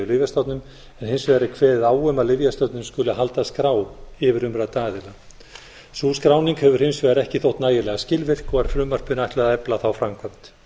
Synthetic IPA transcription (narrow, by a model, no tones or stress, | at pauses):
ʏlɪvjast̪ɔwt̪nʏm | ɛnhɪnsvɛːɾɪkʰvɛːðɪðaːwœmalɪvjast̪œt̪nʏmskʏlaɦalt̪askɾaːwɪvɪɾʏmɾaðt̪aːɣðɪla | suːskɾawniŋkhɛvʏɾ̥hɪnsvɛːɣɾɛhcɪθowht̪naːjɪlɛɣascɪlvɪr̥kɔaɾ̥fɾʏmːar̥pʏnajt̪lɛðaɛplaθawfɾamkʰant̪